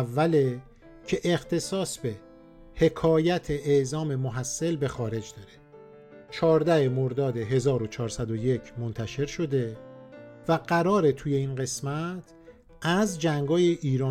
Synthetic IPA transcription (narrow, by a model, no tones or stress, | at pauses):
vːæle̞ | cʰe̞ʔext̪ʰe̞sɒːsbe̞ | he̞kʰɒːjæt̪ʰe̞ʔːzɒːme̞moɦæsːe̞lbe̞xɒːɾe̞d͡ʒd̪ɒɾe̥ | t͡ʃʰɒːɾd̪æhemoɾd̪ɒːd̪e̞ɦe̞zɒːɾo̞t͡ʃʰɒːɾsæd̪oje̞cʰmont̪ʰæʃe̞ɾʃo̞d̪e̞ | væɢæɾɒːɾe̞t̪ʰuːje̞iːnɢe̞smæt̪ʰ | æzd͡ʒæŋɡɒːjeʔiːɾɒː